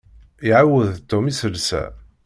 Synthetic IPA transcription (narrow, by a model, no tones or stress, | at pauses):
iʕawəðt̪ːʊmisəlsæ̰